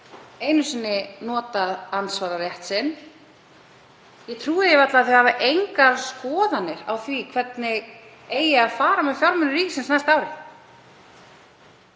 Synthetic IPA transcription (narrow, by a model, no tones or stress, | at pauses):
eːjnʏsɪnːɪnɔːt̪aðansvaːɾarjɛht̪sɪn | jɛt̪ʰɾuːðɪjɛvat̪laðːθœhaːvaʔejŋkaɾskɔːðanːɪɾa̰wθvikʰvɛt̪nɪ | eːjɪaðfaːɾamɛfjawɾmʏnʏɾiːcɪsɪnsnajst̪aːwɾɪ